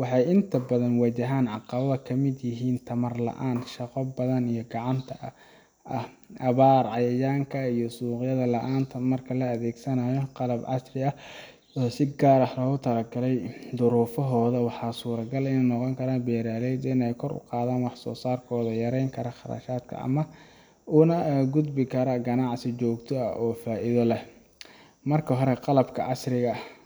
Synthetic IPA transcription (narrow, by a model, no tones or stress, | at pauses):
wɑħɑjɪnt̪ʰɐbɐðɐnwɐt͡ʃɐɦaːnʕɑqɑβɐðɐkʰɐmɪd̪jɪɦiːnt̪ʰɐmɐrlɐ̰ʔaːnʃɑqɔbɐðɐnijɞɡɑʕɑnt̪ʰɐ | ɐh | ʔɐβaːrʕɑjɐjaːŋkʰɐijɔsuːqjɐðɐlɐʔaːnt̪ʰɐmɐrkʰɐlɐːðɛːɡsɐnaːjɔqɑlɐbʕɑ̰srɪɐ | ɔsɪɡaːɾɐhlɔːɣʊt̪ʰɐlɐɡɐlɛjd̪ʊɾuːfɔɦɔːðɐwɑħɑːsuːɾɐɡɐlɪnɛjnɔqɔŋkʰɐɾaːnbɛːɾaːlɛjd̪ɪnɛjkʰɔɾʊ̰qɑːðaːnwɑħsɔ̰ːsaːrkʰɔːðɐjɐɾɛjŋkʰɐɾɐχɑɾɐ̰ʃaːd̪kʰɐ̰ʔɐ̰mɐ | uːnɐɡʊd̪bɪkʰɐɾɐɡɐnɑʕsɪt͡ʃɔːɡt̪ʰɔɐ̰ʔɔːfaːʔɪðɔlɛh | mɐrkʰɐɦɔɾɛqɑlɐbkʰɐʔɑsrɪɣɐ